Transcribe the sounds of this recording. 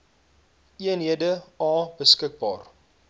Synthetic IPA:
ʔiənɦiədəɑːbəskək̚bɑːr

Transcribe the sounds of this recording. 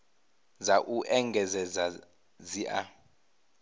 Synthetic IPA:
zaʔuʔɛŋɡʱɛzɛza | ziʔa

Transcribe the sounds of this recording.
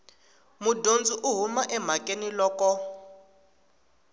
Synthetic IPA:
mudond͡ziʔuɦumaʔɛm̤akʼenilɔːkɔ

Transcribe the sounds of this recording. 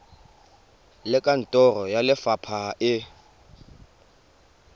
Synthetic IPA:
lɪkʼan̩tʼɔrɔjalɪfapʰaɪ

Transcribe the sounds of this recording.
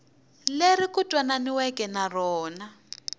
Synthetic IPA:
lerikutʼwananiwɛkɛnarɔːna

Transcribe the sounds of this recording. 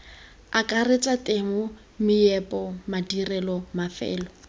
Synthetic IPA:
akʼaret͡sʼatʼeŋʊ | mɪɛpʼɔmadirɛlɔmafɛ̰ːlɔ

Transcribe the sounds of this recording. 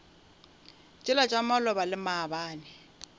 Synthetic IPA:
t͡ʃʼɪlat͡ʃʼamalɔbalɪmabaːnɪ

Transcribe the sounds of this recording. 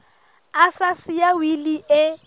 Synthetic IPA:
asasɪjawiliɪ

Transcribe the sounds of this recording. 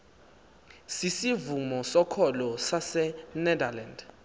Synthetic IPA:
sisivumɔsɔkʰɔlɔsasɛnɛdaland

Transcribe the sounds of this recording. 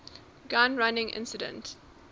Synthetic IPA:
ɡãnɹanɪ̃ŋʔɪ̰̃nsɪdə̰̃nt

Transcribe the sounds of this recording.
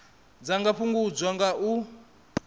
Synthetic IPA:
d͡zaŋɡaɸʰuŋɡud͡zwaŋɡaʔu

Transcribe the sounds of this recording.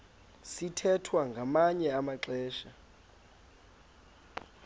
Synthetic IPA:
sitʰɛtʰwaŋɡʱamaɲɛamaǁɛːʃa

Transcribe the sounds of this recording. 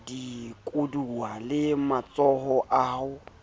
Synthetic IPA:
dikʼuduwalɪmat͡sʼɔɦɔʔaːhʊ

